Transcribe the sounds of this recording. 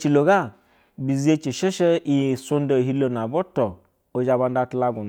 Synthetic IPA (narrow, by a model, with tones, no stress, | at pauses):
t͡ʃi˨lo˨ɡa˦˨ | bi˨zi˦e˦t͡ʃi˨ʃe˦ʃe˦i˦˨su˦n˦da˨ɦi˦lo˦na˨bo˦to˨ | o˨d͡ʒa˨ba˦n˦da˦tla˦ɡu˨n˨